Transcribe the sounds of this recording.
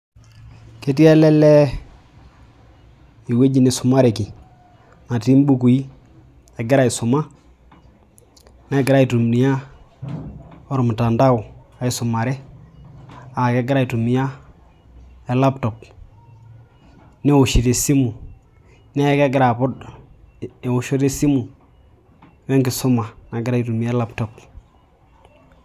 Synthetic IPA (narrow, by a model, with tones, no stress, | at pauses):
ke˦ti˦ɛ˦lɛ˦lɛ˦ | i˨we˦ɟi˦ne˨sʊ˨ma˦ɾe˨ki˨ | na˨ti˦m˦bu˦ku˨ji˦ | e˨ɡɪ˦ɾa˦i˨sʊ˨ma˦ | nɛ˦ɡɪ˨ɾa˦i˨tu˨m˨ni˨ja˦ | o˦ɾmu˨ta˨nda˦ʊ˨a˨i˨sʊ˨ma˨ɾɛ˦ | a˨ke˦ɡɪ˦ɾa˦˨i˨tu˨mi˨ja˦ | e˨la˦pto˨p̚ | ne˦wu˨ʃi˨te˨si˦mu˨ | ne˦je˦ke˦ɡɪ˦ɾa˨pʊ˦d | e˨wu˨ʃo˦te˦si˦mu˨˦ | we˦ŋki˨so˦ma˨na˨ɡɪ˦ɾa˦i˨tu˨mi˨a˦la˦pto˨p